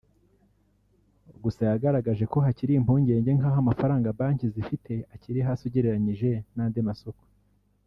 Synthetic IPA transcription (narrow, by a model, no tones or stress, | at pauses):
ɡusajaɡaɾaɡaʒe̞ko̞ɦaciɾiːmpuːɲɟe̞ːɲɟe̞ŋaɦamafaɾaːŋɡabaːɲcizifitʰe̞aciɾiɦasuɟiɾeɾaɲiʒe̞naːndemasoko̥